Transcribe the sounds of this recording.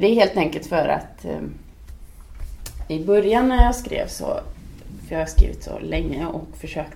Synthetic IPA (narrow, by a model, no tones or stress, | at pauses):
d̪ɛæɾɦeːlt̪ɛŋkəlt̪fœɾa̰t̪ | ɪbœɾjanːæɾjɑːskɾḛːvsɔ̰fœɾjɑːhaskɾḭːvɪ̰t̪sɔ̰lɛŋːəɔkfœʂøːk̚t